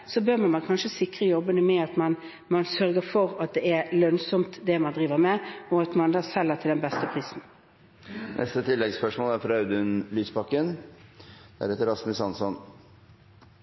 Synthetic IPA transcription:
sɔbøːʁmɑnmɑnkʰɑnʂəsɪkʁəjɔbːənəmɛɑt̪mɑn | mɑnsœɾɡəɾfɔʁɑt̪̚d̪ɛæɾlœnsɔmt̪d̪ɛmɑnd̪ʁiːʋəɾmɛɔɑt̪mɑnd̪ɑːsɛlːəʁt̪ʰɪld̪ɛnbɛst̪əpʰʁiːsn̩ | nʔɛ̰st̪ət̪ʰɪlːɛɡspœʂmoːlæɾfɔɾɑʉd̪ʉnlyːspɑkːən | d̪̥æ̰ɾhɛːt̪əɾɑsməsɑnsɔn

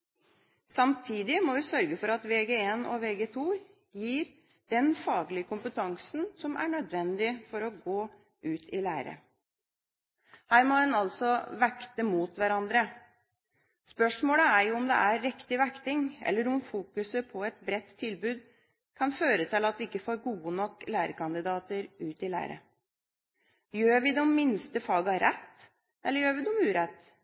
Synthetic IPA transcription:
sɑmt̪ʰiːd̪ɪmɔʋɪsœɾɡəfɔɾɑt̪ʋeːɡeeːnɔ̰ʋeːɡeːt̪ʰuː | jiːɾ | d̪̥ɛnfɑːɡlɪəkʰʊmpət̪ʰɑŋsn̩sɔmʔæ̰ɳœd̪ʋɛnd̪ɪfɔɾɔɡoː | ʔʉːt̪ʰɪlæːɾə̰ | hæːɾmɔɛnɑlsɔʋækt̪əmuːt̪ʋæɾɑnd̪ɾə | spœʂmoːləæɾjʊɔmd̪ɛ̰ʔæːɪkt̪ɪʋækt̪ɪŋʔɛ̰lːəɾʊmfuːkʉsəpʰɔɛt̪̚bɾɛt̪ʰːɪlbʉːd̪ | kʰɑnføːɾət̪ʰɪlɑt̪ʋɪɪkːəfoːɾɡuːənɔkːlæːɾəkʰɑnd̪ɪd̪ɑːt̪əɾʉːt̪ɪlæ̰ːɾə̰ | jøːɾʋɪd̪ɛmːɪnst̪əfɑːɡɑɾɛt̪ː | ʔɛlːəɾjøːɾʋɪd̪ʊmʉːɾɛt̪ː

